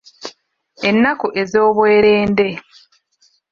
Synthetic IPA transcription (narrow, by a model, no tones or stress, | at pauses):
enːakuʔe̞zo̞ːβwe̞ːɾeːnde̞